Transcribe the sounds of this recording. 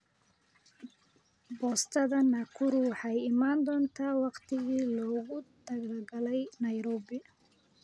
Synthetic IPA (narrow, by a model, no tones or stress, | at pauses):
bɔːst̪ʰɐðɐnaːkʰʊɾʊwɑħɑjɪmaːnd̪ɔːnt̪ʰaːwɑqt̪ʰɪɣiːlɔːɣʊd̪ɐɣlɡɐlɛjnɐjɾɔːbɪ